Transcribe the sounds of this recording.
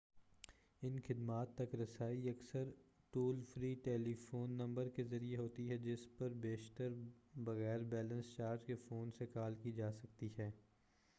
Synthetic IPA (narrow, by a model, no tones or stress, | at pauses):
ɪnxɪd̪maːt̪ːɐkɾɐsaːiɐksəɾ | ʈuːlfɾiːʈeːlifoːnːɐ̃mbəɾkezɐɾieɦoːt̪iɦɛd͡ʒɪspɐɾbeːʃt̪əɾbɐɣɛːɾbɛːlə̃nst͡ʃaːɾʈkefoːnsekaːlkid͡ʒaːsɐk̚t̪iɦɛː